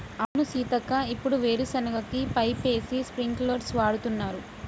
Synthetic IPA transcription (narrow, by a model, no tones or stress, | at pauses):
ɐʋnusiːt̪ɐkaipːuɽuʋeːɾusɐnɐɡɐkipɐjpe̞ːsispɾiŋkloːɖsʋaːɽut̪unːaːɾu